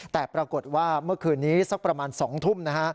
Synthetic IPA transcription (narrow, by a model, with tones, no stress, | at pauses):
t̪ɛː˨˩pɾa˧ko˨˩t̪̚waː˥˩mɯ˥˩ɐkʰɯː˧nːiː˦˥sa˦˥k̚pɾa˧maː˧nsɔː˩˦ŋt̪ʰu˥˩mna˦˥kʰa˦˥